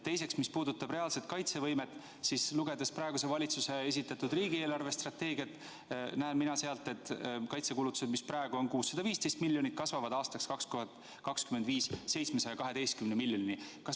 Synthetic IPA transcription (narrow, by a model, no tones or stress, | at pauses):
t̪ːe̞jse̞ksmispuːd̪ut̪ːˑɑb̥ɾe̞ɑlset̪̚kɑjt̪se̞vɤjmet̪ːˑ | sisluɡe̞d̪̥ɑspɾɑe̞ɡuse̞vɑlʲit̪suse̞es̬ʲit̪ːˑɑt̪ud̪riːɡie̞ːlɑrvest̪rɑt̪ːe̞ːɡiɑt̪ːˑ | næenminɑseɑlt̪ːˑe̞t̪ːˑkɑjt̪se̞kulut̪ːˑu̥se̞d̪misprɑeɡ̥uo̞nkuːsːɑd̪ɑviːst̪e̞jst̪milːjonit̪̚kɑsvɑvɑd̪ɑːst̪ɑkskɑkskoɦɑt̪ | kɑkskymed̪viːsːe̞jt̪smesɑjɑkɑɦe̞d̪̥e̞jst̪̚kymnemilʲjoninikɑs